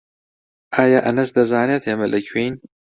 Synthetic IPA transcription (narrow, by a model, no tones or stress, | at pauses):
aːjaːʔɐnɐsd̪ɐzaːnet̪ʰemɐlɨkʰwiːn